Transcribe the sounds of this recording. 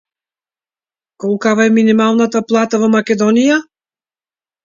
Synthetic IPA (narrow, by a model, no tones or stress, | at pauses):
kɔlˠkavaɛminimalˠnat̪aplˠat̪avɔmakɛd̪ɔnija